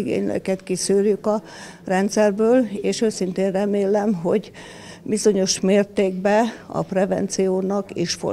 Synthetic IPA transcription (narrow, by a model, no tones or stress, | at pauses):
iɡḛːɲlø̰kɛt̪kisøːrjykɒ | rɛnt̪sɛrbøːleːʃøːsint̪eːnrɛmeːlɛmɦo̞̰ɟ | bizo̞ɲo̞ʃmeːrt̪eːɡbɛɒ̰prɛvɛ̰nt̪sijoːnɒkiʃfo̰